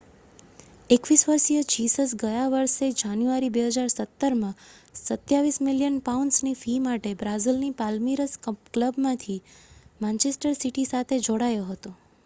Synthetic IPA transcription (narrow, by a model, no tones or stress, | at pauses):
ekʋisʋəɾʃijəd͡ʒisəsɡəjaʋəɾʃed͡ʒanjuaɾibeɦəd͡ʒaɾsət̪ːəɾmãsət̪jaʋismiljənpauɳɖsnifimaʈebɾazilnipalmiɾəskləbmãt̪ʰimãnt͡ʃesʈəɾsiʈisat̪ʰed͡ʒoɽajoɦət̪o